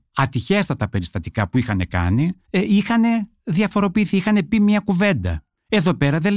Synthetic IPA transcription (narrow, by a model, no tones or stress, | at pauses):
ɐt̪içe̞st̪ɐt̪ɐpe̞ɾist̪ɐt̪i̥kɐpuixɐne̞kɐ̰ni | ixɐne̞ | ðiɐfo̞ɾo̞piːθiixɐne̞pimɲɐkuve̞nd̪ɐ̰ | e̞ðo̞pe̞ɾɐðe